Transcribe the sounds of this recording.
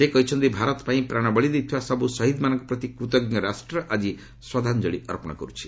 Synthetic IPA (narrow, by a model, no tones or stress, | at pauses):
ekɔɦit͡ʃʰɔnt̪ibʱaɾɔt̪paĩpɾaɽ̃ɔbɔɭid̪ejt̪ʰiwasʌbusʌɦid̪manʌ̃ŋkɔpɾɔt̪ikɾut̪ɔɡnjɔɾasʈɾɔʔad͡ʒi | swad̪ʱand͡ʒɔɭiɔɾpɔɽ̃ɔ̰kɔɾut͡ʃʰi̥